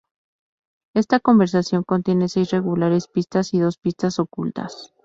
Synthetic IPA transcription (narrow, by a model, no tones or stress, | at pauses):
e̞st̪ako̞mbe̞ɾsasjo̞ŋko̞nt̪je̞ne̞se̞jzre̞ɣulaɾe̞spist̪asiðo̞spist̪aso̞kult̪a̰s